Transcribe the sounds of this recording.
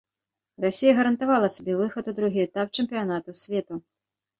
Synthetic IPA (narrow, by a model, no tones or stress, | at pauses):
rasʲijɐɣɐɾɐnt̪avalˠɐsʲabʲɛvɨxɐt̪ud̪ɾuɣʲiɛt̪ap̚t͡ʂɨmʲpʲijanat̪usʲvʲɛt̪u